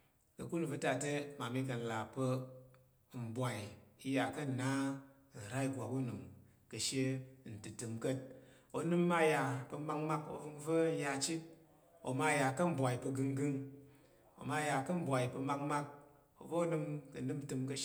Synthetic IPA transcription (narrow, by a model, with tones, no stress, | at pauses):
kə˨ku˦lu˨və˧ta˧˨te˦ma˨mi˧k̬ə˨n̩˨la˨pə˧˨ | m̩˨bʷa˨i˨i˧ja˨kɐ˦˨na˦˨ | n̩˨ɾa˦i˨ɡʷa˨ku˦nu˨m | kə˨ʃe˦˨n̩˨tɨ˨tɨ˨mkə˦t̚ | o˧nɨ˦mː˦a˧˦ja˧pə˧ma˧k̚ma˦ko̰˨vɨ˧ŋvə˦ja˧t͡ʃi˦t̚ | o̰˨ma˧˦ja˨kɐ˦m̩˦bʷa˨i˨pə˧ɡɨ˧ŋɡɨ˦ŋ | o̰˨ma˧˦ja˨kɐ˦m̩˦bʷa˨i˨pə˧ma˧kma˦k̚ | o̰˨vo˦o˦nɨ˧mkə˨nɨ˦m˦tɨ˧mkə˧